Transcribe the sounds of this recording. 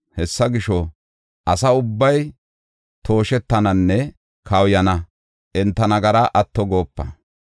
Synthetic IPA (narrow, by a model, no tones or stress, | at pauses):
hɛsːɐɡɪʃɔ | ʔɐsɐʊbːɐj | t̪ʰo̞ːʃɛt̪ːɐnɐnːɛ | kʰɐwjɐnɐ | ʔɛnt̪ːɐnɐɡɐɾɐʔɐt̪ːɔɡo̞ːpːɐ̰